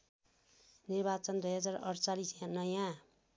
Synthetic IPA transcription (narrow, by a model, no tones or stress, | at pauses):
nirbat͡sʌnd̪ujɦʌd͡zarʌ̰ɾt͡salisjãnʌjã